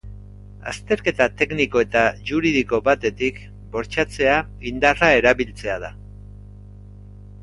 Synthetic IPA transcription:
a̰st̪e̞ɾke̞t̪at̪e̞kniko̞e̞t̪aʝuɾiðiko̞βat̪e̞t̪ik | bo̞ɾt͡ʃat͡se̞a | ind̪arae̞ɾaβilt͡se̞aða

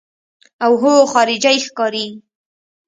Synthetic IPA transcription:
awɦoxɑɾɪd͡ʒajxkɑɾi

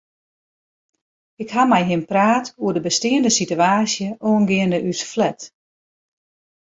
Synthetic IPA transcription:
ɪkhamɛjɦɪnpraːtuədəbəstɪəndəsityaːsjəʔoənɡɪəndəʔysflɛt

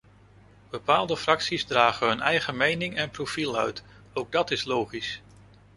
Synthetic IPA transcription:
b̥əpaːlˠdəfrɑksizdraːχəɦɵnɛjχəmejnɪŋɛnprofilˠœ̰ɥt | owɡ̚dɑtɪslowχis

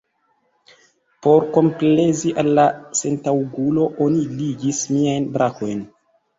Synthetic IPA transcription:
po̞ɾko̞mple̞ziʔalːase̞ntawɡulo̞ʔo̞niliɡismiajnbɾʔako̞jn

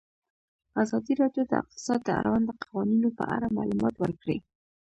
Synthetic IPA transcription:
azɑd̪iɾɑɖjod̪ə̰ɪ̰q̚t̪ɪ̥sɑd̪̚d̪əa̰ɾawand̪d̪əqʰawɑninopə̰ʔa̰ɽama̰lumɑt̪wəɾkɽi

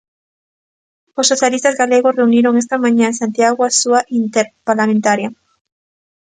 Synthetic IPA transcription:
osːoθjalist̪azɣaleɣ̞osreuniɾoŋest̪amãɲaensant̪jaɣ̞oasuaʔint̪eɾpaɾlamẽnt̪aɾja

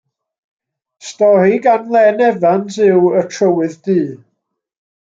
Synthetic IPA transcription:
stɔɾiɡanlˠɛnɛvansɪwətʰrəwɨðd̥iː

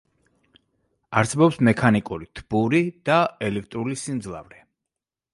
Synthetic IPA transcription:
aɾsɛbɔpsmɛkʰanikʼuɾit̪ʰb̥uɾid̪̥aɛlɛk̚ʰt̪ʼɾulisind̪zlˠa̰vɾɛ

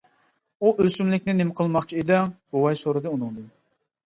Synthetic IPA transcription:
uʔøsymlɪkʲnɪnɪmɪqʰəlˠmɑχt͡ʃʰied̪ɪɡ̥owɑjsoɾɨd̪ɨunɨŋd̪ɨ

